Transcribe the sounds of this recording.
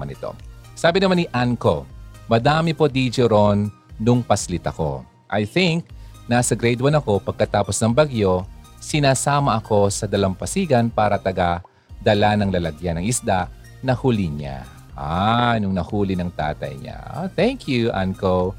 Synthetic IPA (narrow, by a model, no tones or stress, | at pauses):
anɪt̪o̞̰saːbɪnɐmanɪʔaŋko̞mɐd̪aːmɪpod̪id͡ʒoɾonː | ʊŋpɐslɪt̪ɐko̞̰ | ʔɐjθɪŋk̚nasɐɡɾɛd̪wɐnɐko̞pɐɡ̚kɐt̪aːposnɐŋbɐɡjo̞sɪnaːsaːmɐʔɐko̞sɐd̪ɐlampɐsiːɡɐnpaːɾɐt̪ɐɡa | d̪ɐlanɐŋlɐlɐɡjanɐŋɪsd̪aʔ | nɐhuːlɪɲa̰ | ʔanʊŋnɐhuːlɪnɐŋt̪a̰ːt̪ɐ̰jɲa̰θɛŋkjuʔa̰ŋko